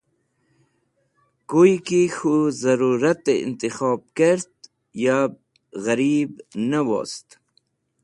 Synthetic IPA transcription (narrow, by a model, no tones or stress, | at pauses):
kujkixuzɐɾuɾat̪eḭnt̪ixɑːb̚keɾt̪ | jab̚ | ɣaɾiːbnawo̰ːst̪